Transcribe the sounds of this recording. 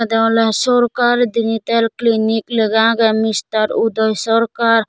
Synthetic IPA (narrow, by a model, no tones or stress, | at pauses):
d̪aːlesoɾkaɾd̪init̪elklinikləɡãɡemist̪əɾud̪əjsəɾkaɾ